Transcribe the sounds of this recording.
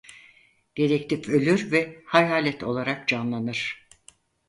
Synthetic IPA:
ɟ̥eɾɛct̪ʰipø̞lʲyɾvɛhajɦaːlʲɛt̪ʰo̞̰lˠaɾak̚d͡ʒanlˠanɯɾ̥

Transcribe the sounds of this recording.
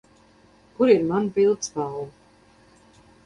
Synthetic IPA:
kuɾiɾmanpilˠt̪sbalˠ

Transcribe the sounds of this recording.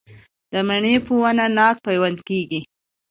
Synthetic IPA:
d̪̥əmaɳepuwananɑk̚pajwand̪keɡi

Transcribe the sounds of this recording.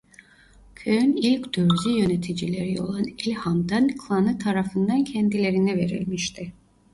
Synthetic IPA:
cʰøjynilʲcd̪̥øɾzijø̞net̪ʰid͡ʒilʲe̞ɾio̞̰lˠanilʲhamd̪ankʰlˠanɯt̪ʰaɾafɯnd̪ancʰɛnd̪ilʲe̞ɾinɛve̞ɾḭlʲmiʃt̪ʰɪ

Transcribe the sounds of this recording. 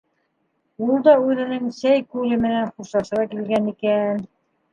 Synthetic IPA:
ulˠd̪ɑʉðɘ̆nɘŋsæjkʉlɘmɘ̆nænχuʃɑʃɤ̆ɾɑkilɡænikæn

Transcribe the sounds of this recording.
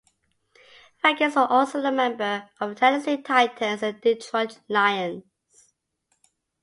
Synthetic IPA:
fɛɡəsəʔɔlˠsoʊðəmɛ̃mbəəvtʰɛnəsitʰaɪtʰə̃nsə̃ndɪtʰɹɔtlaɪə̃n | s

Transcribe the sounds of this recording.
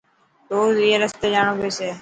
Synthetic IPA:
t̪oːzieːɾəst̪eːd͡ʒaːɳõːbeːseː

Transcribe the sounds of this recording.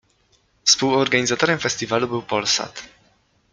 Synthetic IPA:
fspuwɔɾɡaɲizat̪ɔɾɛmfɛsʲt̪ʲivalubɘwpɔlsa̰t̪

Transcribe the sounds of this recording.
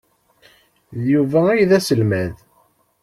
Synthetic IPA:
ðjuvææjðæsəlmæð

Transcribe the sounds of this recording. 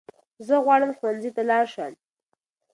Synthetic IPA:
zəɣwɑɽəmxwanzit̪alɑɾʃəm

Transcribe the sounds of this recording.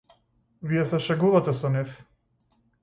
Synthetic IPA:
viɛsɛʃɛɡuvat̪ɛsɔnɛf

